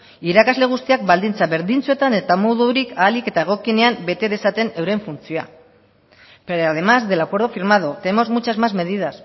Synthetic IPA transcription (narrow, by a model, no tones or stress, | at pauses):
iɾakazle̞ɣ̞ust̪iak̚bald̪int͡saβe̞ɾðint͡sue̞t̪ane̞t̪amoðuɾikaːlike̞t̪ae̞ɣ̞o̞kine̞ambe̞t̪e̞ðe̞sat̪e̞newɾe̞ɱfunt͡sioa̰ | peaðe̞mazd̪e̞lakwe̞ɾð̞ofiɾmaðot̪e̞mo̞zmut͡ʃazmazme̞ðiðas